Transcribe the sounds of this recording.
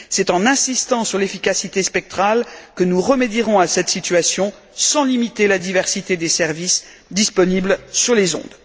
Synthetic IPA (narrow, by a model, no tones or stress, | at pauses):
sɛt̪ɑ̃nɛ̃sist̪ɑ̃syʁlefikasit̪espɛk̚t̪χalkənuʁəmed̪jiʁɔ̃asɛt̪sit̪ɥasjɔ̃ | sɑ̃limit̪elad̪ivɛʁsit̪ed̪esɛʁvis | d̪ispɔniblsyʁlezɔ̰̃d̪